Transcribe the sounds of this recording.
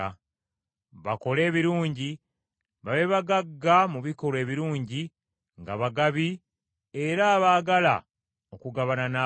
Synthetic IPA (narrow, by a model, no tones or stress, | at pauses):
a | βako̞le̞ːβiɾuːɲɟi | βaβe̞βaɡaɡːamuβiko̞le̞ːβiɾuːɲɟi | ŋɡaβaɡaβi | e̞ɾaːβaːɡala̰ | o̞kuɡaβanana